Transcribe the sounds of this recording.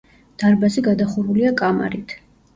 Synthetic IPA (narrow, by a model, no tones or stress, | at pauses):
d̪̥aɾbaziɡad̪aχuɾuliakʼama̰ɾit̪ʰ